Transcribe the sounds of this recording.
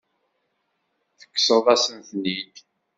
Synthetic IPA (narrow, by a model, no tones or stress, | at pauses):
θə̥kːsəðˤæsənθnid̪